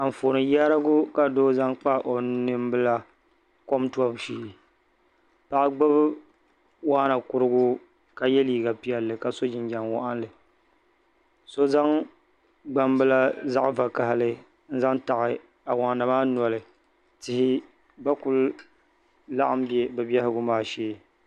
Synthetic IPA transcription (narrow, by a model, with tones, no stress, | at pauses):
a˨m˨fo˨nɨ˨ja˦ɾa˦ɡʊ˦ka˨doː˦za˦ŋk͡pa˦ʔo˨nɨ˦m˦bɨ˦la˦ | ko˦mtu˦ɔ˦bʃiː˨ | pa˦˨ʔa˦ɡ͡ba˦b | waː˦na˨kʊ˦ɾɨ˦ɡʊ˦ | ka˨jɛ˦liː˨ɡa˨pi˦ɛ˨lːɨ˨ka˨so˦d͡ʒɪ˨nd͡ʒa˨ŋwɔ˦ʔa˦nlɨ˨ | so˦za˦ŋ | ɡ͡ba˦m˦bɨ˦la˦za˦ʔva˨ka˨ɦa˦lɨ˦ | n̩˦za˦ŋta˨ɣɪ˨ | a˨wa˨na˨maː˦n˨ɔ˨lɨ˨ | tɪ˦hɪ˦ | ba˦kʊ˦l | la˦ʔa˦m˦bɛ˦bɨ˨bɛ˦hɪ˦ɡʊ˦maː˦ʃeː˦